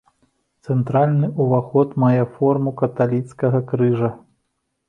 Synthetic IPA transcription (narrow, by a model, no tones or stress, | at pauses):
t̪sɛnt̪ɾalʲnɨʔuvaxɔt̪majɛfɔrmukɐt̪alʲit̪skɐɣɐkɾɨʐɐ